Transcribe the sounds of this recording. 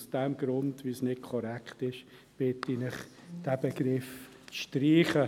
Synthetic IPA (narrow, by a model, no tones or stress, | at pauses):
sd̥ɛmɡɾʊndviːsnɪt̚kʰɔɾɛktɪʃ | b̥ɪtinɪχ | d̥æbəɡɾɪf | t͡sʃtriːχə